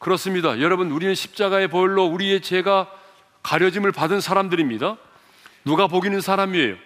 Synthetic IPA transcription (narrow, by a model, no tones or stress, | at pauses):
kɯɾʌs͈ɯmɲidajʌɾʌbɯnuɾinɯnɕʰi̥p̚t͡ɕ͈aɡae̞pʌɭːʌuɾie̞t͡ɕe̞ɡa | kaɾjʌd͡ʑimɯɭpadɯnsʰaɾamdɯɾimɲida | nuɡapoɡinɯnsʰaɾamie̞̰jo̰